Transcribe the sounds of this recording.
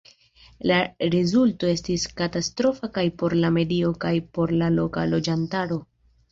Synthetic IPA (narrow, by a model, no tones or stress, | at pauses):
laɾezulto̞e̞stiskatastɾo̞fakajpo̞ɾlame̞dio̞kajpo̞ɾlalo̞kalo̞d͡ʒantaɾo̞